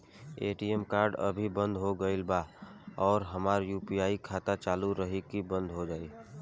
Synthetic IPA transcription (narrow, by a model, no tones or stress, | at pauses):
eːʈiɛmkaːɾɖə̰bʱibə̃nd̪ʱɦoɡəɪlbaːɔːɾɦɐmaːɾjuːpijaːikʰaːt̪at͡ʃaːluɾəɦikibə̃nd̪ʱɦod͡ʒaːiː